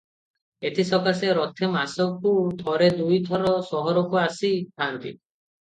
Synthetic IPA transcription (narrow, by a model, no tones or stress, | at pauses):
et̪ʰisɔkaseɾɔt̪ʰemasɔkud̪ʱɔɾed̪ujt̪ʰɔɾɔsɔɦɔɾɔkuasit̪ʰant̪ḭ